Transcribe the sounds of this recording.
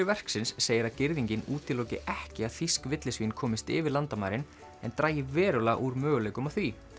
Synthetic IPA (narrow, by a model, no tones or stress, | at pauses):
ʏvɛr̥ksɪnsːeːjɪɾaðcɪɾðiɲcɪnuːt̪ɪloːwcɪʔɛhcɪað̥θiskvɪt̪lɪsvinkʰɔːmɪst̪ɪ̰ːvɪlant̪amaːjɾɪn | ɛnt̪ɾaːjɪvɛːɾʏlaʔuɾmœːɣʏleːjkʏmaθvi